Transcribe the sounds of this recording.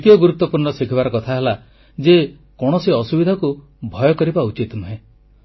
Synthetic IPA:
it̪ijɔɡuɾut̪ːɔpuɾɳɔsikʰibaɾɔkɔt̪ʰaɦela | d͡ʒe | kɔɽ̃ɔsiɔsubid̪ʱaɔku | bʱɔjɔkɔɾibaut͡ʃit̪nuɦẽ

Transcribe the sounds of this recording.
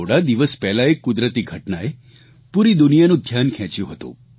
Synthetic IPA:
oɽad̪iʋəspɛɦlaekʊd̪ɾət̪iɡʱəʈnae | puɾid̪ʊnijanũd̪ʱjankʰɛ̃t͡ʃjũɦət̪ṵ̃

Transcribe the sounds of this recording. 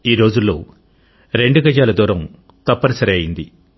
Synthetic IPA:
iːɾo̞ːd͡ʒulːo̞ː | ɾe̞ɳɖuɡɐd͡ʒaːlɐd̪uːɾɐm | t̪ɐpːɐɾɐsɐɾeːjind̪i

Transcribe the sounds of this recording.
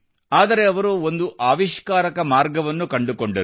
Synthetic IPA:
aːd̪ɐɾe̞ɐʋɐɾuo̞nd̪uʔaːʋiʃkaːɾɐkɐmaːɾɡɐʋɐnːukɐɳɖukoɳɖɐɾ

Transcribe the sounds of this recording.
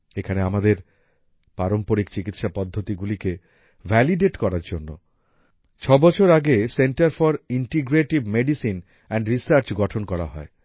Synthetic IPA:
ekʰaneamad̪eɾ | paɾompoɾikt͡ɕikit̪ʃapɔd̪ʱːot̪iɡulike | vʱɛliɖeʈkɔɾaɾd͡ʑonːo̰ | t͡ɕʰɔbɔt͡ɕʰoɾaɡeseɳʈaɾfɔɾiɳʈiɡɾeʈibmeɖisin | ɛɳɖɾisaɾt͡ɕɡɔʈʰonkɔɾa̰ɦɔ̰e

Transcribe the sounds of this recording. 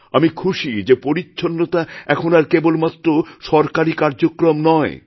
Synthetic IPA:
amikʰuʃid͡ʑepoɾitːɕʰonːot̪aɛkʰonaɾkebolmat̪ːɾoʃɔɾkaɾikaɾd͡ʑokɾomnɔe

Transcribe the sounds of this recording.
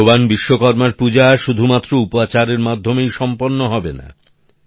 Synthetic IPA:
obanbiʃːokɔɾmaɾpud͡ʑaʃud̪ʱumat̪ːɾoupat͡ɕaɾeɾmad̪ʱːomejʃɔmponːoɦɔbena̰

